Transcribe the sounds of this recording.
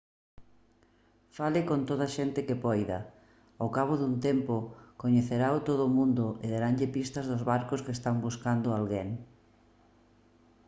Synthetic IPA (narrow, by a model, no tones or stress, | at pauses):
falɪkont̪oð̞ɐʃent̪ɪkɪpɔjðɐ̰ | okaβ̞oðunt̪empʊkoɲeθeɾaot̪oðʊmũnd̪ʊʔeðeɾaŋʎɪpist̪ɐzðʊzβaɾkʊskest̪aŋbuskand̪ʊalɣeŋ